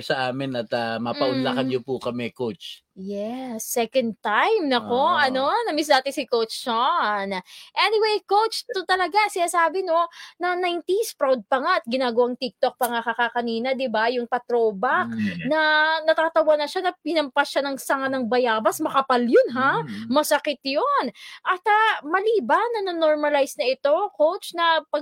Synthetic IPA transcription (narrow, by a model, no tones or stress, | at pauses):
sɐʔaːmɪnɐt̪ɐmɐpɐʔʊnlːakɐnjopukɐmɛkowt͡ʃ | jɛsːɛkɐnd̪̚t̪ajmnɐko̞ʔɐno̞nɐmis̬d̪aːt̪ɪsɪkowt͡ʃːonʔɛnɪwejkowt͡ʃt̪ʊt̪ɐlɐɡasɪnaːsaːbɪno̞nɐnajnt̪ispɹawd̪̚pɐŋaʔɐt̪̚ɡɪnaːɡɐwaŋt̪ik̚t̪ok̚pɐŋakɐkakɐniːnɐd̪ɪbajʊŋpɐt̪ɾo̞ːbɐk̚nɐnɐt̪aːt̪ɐwanɐʃanɐpɪnɐmpasʃanɐŋsɐŋanɐŋbɐjaːbɐsmɐkɐpaljonɦamɐsɐkɪt̪jonʔɐt̪ɐmɐliːbɐnːɐnɐnoɹmɐlajsnɐʔɪt̪o̞kowt͡ʃnɐpɐ